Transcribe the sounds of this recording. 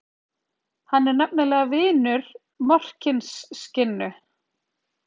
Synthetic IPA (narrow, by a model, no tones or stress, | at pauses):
hanːɛɾnɛp̚nalɛːɣavɪːnʏɾ | mɔr̥cɪnsːcɪnːʏ